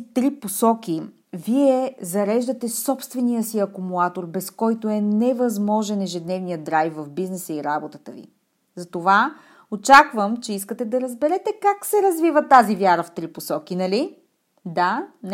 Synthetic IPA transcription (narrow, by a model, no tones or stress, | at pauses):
t̪ɾiposɔkʲi | viɛzɐɾɛʒd̪ət̪ɛsɔpst̪vɛnijəsiɐkʊmulˠat̪oɾbɛskɔjt̪oɛnɛvɐzmɔʒɛnɛʒɛd̪nɛvnijəd̪ɾajfvɐvbiznɛsəiɾabot̪ət̪əvḭ | zɐt̪ova | ot͡ʃakvəmt͡ʃɛiskət̪ɛd̪ɐɾəzbɛɾɛt̪ɛkaksɛɾɐzvivət̪azivʲjaɾəft̪ɾiposɔk̟inɐli | d̪an